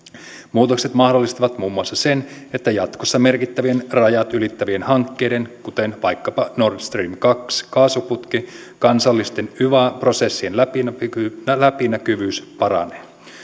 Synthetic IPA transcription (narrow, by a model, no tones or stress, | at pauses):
muːt̪o̞kse̞t̪mɑhdo̞lːist̪ɑʋɑt̪muːmːuɑsːɑse̞ne̞t̪ːæjɑt̪ko̞sːɑme̞rkit̪ːæʋie̞nrɑjɑt̪ylit̪ːæʋie̞nhɑŋkːe̞jde̞nkut̪enʋɑjkːɑpɑno̞rt̪st̪riːmkɑkskɑːsuput̪ki | kɑnsɑlːist̪e̞nyʋɑpro̞se̞sːienlæpinlæpinækyʋyːspɑɾɑ̰ne